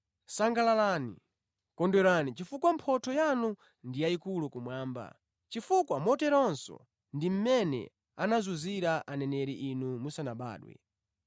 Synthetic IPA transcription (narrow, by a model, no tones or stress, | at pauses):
saŋɡalalanḭ | kɔndɛɾanit͡ʃifukwampʰɔtʰɔjanu | ndijaikulukumwaːmba̰ | t͡ʃifukwamɔtɛɾɔnsɔ̰ | ndim̩mɛnɛ̰ | anazuziɾaʔanɛnɛɾiʔinumusanaɓa̰ːɗwɛ̰